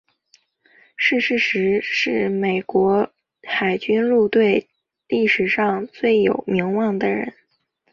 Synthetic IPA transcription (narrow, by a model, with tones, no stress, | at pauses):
ʂɻ̩˥˩ʂɻ̩˧˥˩ʂɻ̩˧˥ʂɻ̩˥˩me˨˩ɪkwɔ˧˥ | xa˨˩ɪt͡ɕy˥nlu˥˧t̪we˥˧ɪ | li˥˩ʂɻ̩˨˩ʂɑ˥˧ŋt͡swe˥˩ɪjo˨˩ʊmi˧˥ŋwɑ˥˩ŋd̪ə˩ɻə̰˧˥n